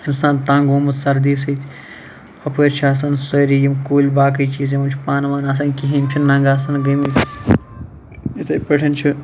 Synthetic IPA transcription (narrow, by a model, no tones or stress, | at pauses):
insaːnt̪ãːŋɡuːmɐsɐɾd̪iːsit̪ʰ | ɐpeɾt͡ʃʰaːs̬ɐnsɐːɾijimkuːlʲbaːk̬ɐjt͡ʃiːzẽmut͡ʃʰpaːnʋaːnas̬ɐnkiɦimt͡ʃʰinnɐ̃ŋɡaːs̬ɐnɡɐmit̪ | it̪ɐjpɐʈʰɐnt͡ʃʰɨ